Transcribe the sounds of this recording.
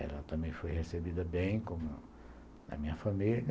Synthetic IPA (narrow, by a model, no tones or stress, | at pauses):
ɛ̰lɐt̪ɐ̃mbẽj̃fojhesebid̪ɐbẽj̃kõmʊ | nɐ̰mĩɲɐfɐmil